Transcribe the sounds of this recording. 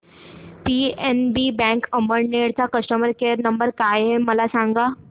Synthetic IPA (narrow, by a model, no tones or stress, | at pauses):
pienbibɛ̃ŋkəməɾneɽt͡sakəsʈəməɾkeəɾnəmbəɾkajɦeməlasãŋɡa